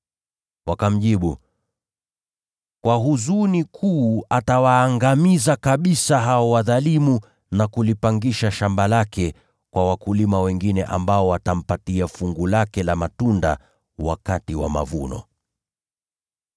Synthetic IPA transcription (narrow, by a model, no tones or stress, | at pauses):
wakam̩ʄiɓṵ | kwaɦuzunikʰuːatawaːŋɡamizakaɓisaɦaɔwaðalimu | nakulipaŋɡiʃaʃambalakɛ | kwawakulimawɛŋɡinɛʔa̰mbaɔwatam̩patiafuŋɡulakɛlamatunda̰ | wa̰katiwa̰ma̰vunɔ̰